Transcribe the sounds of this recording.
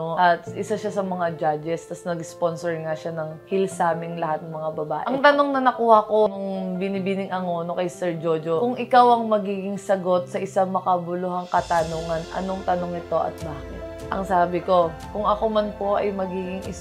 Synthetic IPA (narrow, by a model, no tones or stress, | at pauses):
oʔɐt̪ʔɪsaʃasɐmɐŋad͡ʒad͡ʒɛst̪ɐsnɐɡsponsɛɹŋaʃanɐŋhilsaːmɪŋlɐhat̪̚nɐŋmɐŋabɐbaːʔɪʔɐŋt̪ɐnoŋnɐnɐkuːhɐko̞nʊŋŋbɪnibinɪŋɐŋoːno̞kɐjsɛɹd͡ʒod͡ʒokʊŋʔɪkawɐŋmɐɡiːɡɪŋsɐɡo̞t̪̚sɐʔɪsamɐkɐbʊluɦɐŋkɐt̪ɐnoːŋɐnʔɐ̰noŋt̪ɐnoŋɪt̪o̞ʔɐ̰t̪̚baːkɪt̪ʔɐ̰ŋsaːbɪko̞kʊŋɐko̞mɐnpo̞ʔɐ̰jmɐɡiːɡɪŋʔɪs